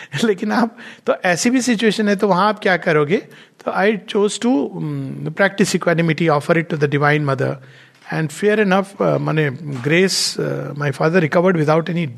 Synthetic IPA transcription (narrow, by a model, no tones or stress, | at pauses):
leːkɪnaːp̚t̪oʔɛːsibʱisɪt͡ʃueːʃə̃nɦɛt̪̬oʋɐɦãaːp̚kjaːkɐɾoːɡeː | t̪oʔaɪt͡ʃoːzʈu | pɾæk̚ʈɪsɪkwɛnɪmɪʈiɔːfəɾɪʈːud̪ɐɖɪʋãɪ̃nmɐd̪ə̰ɾ | ɛ̃ɳɖfeəɾɪnɐfmaneɡɾeːsmaɪfaːd̪əɾːɪkɐʋəɾɖʋɪd̪aʊʈɛni